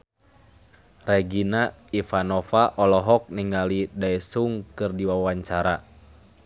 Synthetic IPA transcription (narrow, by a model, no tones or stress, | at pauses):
rɛɡina | ifanɔfaʔɔlɔɦɔk̚niŋalidaɛsuŋkɨrdiwawaɲt͡ʃaɾa